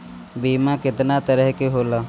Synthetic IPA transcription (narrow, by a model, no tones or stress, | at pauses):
biːmãkɪt̪nat̪əɾəɦkeɦoːlaː